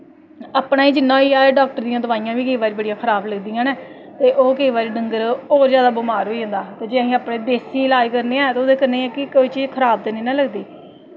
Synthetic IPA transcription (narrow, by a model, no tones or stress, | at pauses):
aːpɽaːiːd͡ʒɪnːãːiːaːeːɖaːk̚ʈəɾd̪ĩjãːd̪ʊʋaːijãːʋiːkəiːʋaːɾiːbəɽijãːkʰəɾaːbləɡd̪iːãːnɛː | t̪eːʔoːkəiːʋaːɾiːɖəŋɡəɾɔːɾzjaːd̪aːbʊmaːɾɦoːiːə̃ːnd̪aːt̪eːd͡ʒeːaɦĩːaːpɽẽːd̪eːsiːlaːd͡ʒkəɾneːɛ̃ːt̪eoːd̪eːkəɾneːɛ̃ːkɪkoːiːt͡ʃiːzkʰəɾaːb̚d̪eːnĩːnãːləɡd̪iː